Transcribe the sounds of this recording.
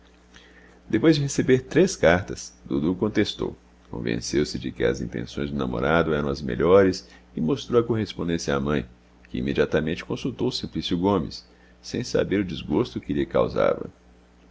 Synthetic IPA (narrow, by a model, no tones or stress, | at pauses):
d̪epojzd͡ʒɪɦesebeɾt̪ɾeskaɾt̪ɐsd̪ud̪ukõnt̪est̪o̰w | kõ̰vḛ̃sewsɪd͡ʒɪkɪɐ̰zḭ̃nt̪ḛ̃sõj̃zd̪ʊnamo̰ɾad̪ʊɛɾɐ̃w̃ɐzmḛʎɔɾɪsɪmost̪ɾowɐkoɦespõnd̪ẽsjɐːmɐ̃j̃ | kɪḭmed͡ʒiat̪ɐmẽnt͡ʃɪ̥kõsut̪owʊsĩmplisjʊɡõmɪ̰sː | ẽj̃sa̰beɾʊd͡ʒizɡost̪ʊkɪliɐka̰wza̰vɐ̰